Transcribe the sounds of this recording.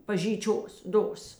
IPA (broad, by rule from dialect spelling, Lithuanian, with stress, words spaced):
pɐʒʲiːˈt͡ʃʲoːs ˈdoːs